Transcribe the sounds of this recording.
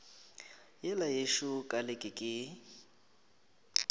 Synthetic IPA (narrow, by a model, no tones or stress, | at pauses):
jɛlajeʃʊkʼalɪkʼɪkʼɪ